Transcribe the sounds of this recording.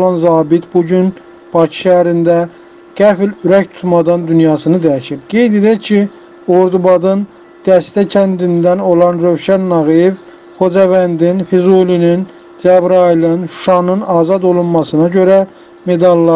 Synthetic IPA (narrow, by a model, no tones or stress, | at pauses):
olɑnzɑːbit̪buɟyn | b̥ɑcʰi̥ʃææɾind̪æ | ɡ̥æfilyɾæct̪ʰu̥t̪mɑd̪ɑnd̪ynjɑːsɯnɯd̪æjæʃibɡ̥e̞jd̪e̞d̪æcʰi | o̞ɾd̪ubɑd̪ɯn | d̪̥æst̪æcʰænd̪ind̪æno̞lˠɑnɾøwʃænːɑɣijev | xo̞d͡ʒɑvænd̪infizulinin | d͡ʒæbɾɑilˠɯnʃu̥ʃɑnɯnɑːzɑd̪o̞lˠunmɑsɯnɑɟø̞ɾæ | me̞d̪ɑlˠːɑ